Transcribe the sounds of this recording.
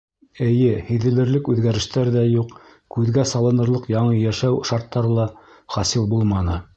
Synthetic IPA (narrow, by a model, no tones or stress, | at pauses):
ɘ̆jɘhɘ̆ðɘ̆lɘ̆ɾlɘkʉðɡæɾɘ̆ʃt̪æɾðæjuq | kʉðɡæsɑlˠɤ̆nɤ̆ɾlˠɤqjɑɴɤjæʃæwʃɑɾt̪ːɑɾɤlˠɑ | χɑsilˠbulˠmɑnɤ